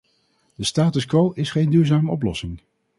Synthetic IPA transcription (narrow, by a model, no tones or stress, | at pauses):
d̥əstaːtəskʋowʔɪsχejndyːɹzaːməɔp̬lɔsɪŋ